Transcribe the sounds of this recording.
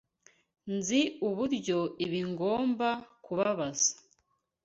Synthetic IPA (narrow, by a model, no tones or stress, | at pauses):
nziuβuɾɟo̞iβiŋɡo̞ːmbakuβaβazḁ